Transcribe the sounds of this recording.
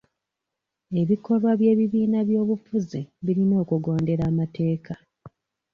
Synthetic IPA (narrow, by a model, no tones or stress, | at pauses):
e̞βiko̞βwaβje̞ːβiβiːnaβjo̞ːβufuziβiɾino̞ːkuɡo̞ːnde̞ɾaːmate̞ːka